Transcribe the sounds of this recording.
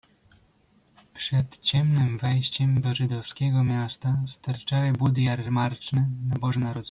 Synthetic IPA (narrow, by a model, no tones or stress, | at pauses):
pʂɛt̪t͡ɕɛmnɘmvɛjɕt͡ɕɛmd̪ɔʐɘd̪ɔfskʲɛɡɔmʲjast̪ast̪aɾt͡ʂawɛbud̪jaɾmaɾt͡ʂnɘnabɔʐɛnaɾɔz